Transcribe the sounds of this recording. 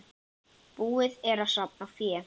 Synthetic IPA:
puːɪðɛɾaðsap̚nafjɛː

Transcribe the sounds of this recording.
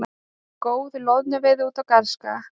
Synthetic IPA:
koːwðlɔðnʏvɪðɪuːt̪awkaɾ̥ska

